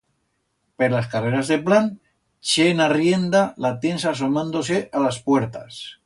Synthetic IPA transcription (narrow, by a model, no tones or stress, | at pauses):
peɾlaskareɾazðeplan | t͡ʃenarjend̪alat̪e̞nsaːsomãnd̪oseʔalaspwe̞ɾt̪a̰s